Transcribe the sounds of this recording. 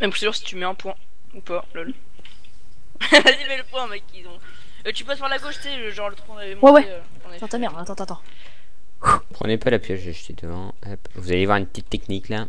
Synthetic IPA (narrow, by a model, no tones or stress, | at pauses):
mɛmszuʁsi̥t̪ymɛɛ̃pwɛ̃ | upalal | asimɛləpwɛ̃mɛkizɔ̃ | øt̪ypaspaʁlaɡoʃt̪sɛəʒɑ̃ʁlət̪wɔ̃avɛmwɛwɛ | t̪ɑ̃t̪amɛʁd̪at̪ɑ̃t̪ɑ̃t̪ɑ̃ | pχə̰nepalapjɛʒeaʃt̪ʰed̪əvɑ̃ | apvuzalevwaʁynpə̥t̪it̪ːɛknikla